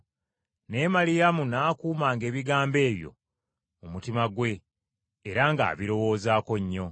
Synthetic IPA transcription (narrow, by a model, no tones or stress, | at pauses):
ne̞ːmalijamunaːkuːmaːŋɡe̞ːβiɡaːmbe̞ːβjo̞̰ | omutimaɡwe̞ː | ɾaŋɡa̰ːβiɾo̞wo̞ːzaːko̞ɲːo̞